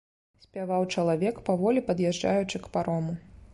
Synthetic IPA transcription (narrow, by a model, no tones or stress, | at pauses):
sʲpʲavawt͡ʂɐlˠavʲɛkpavɔlʲipɐd̪jɛʐd͡ʐajut͡ʂɨkpaɾɔmu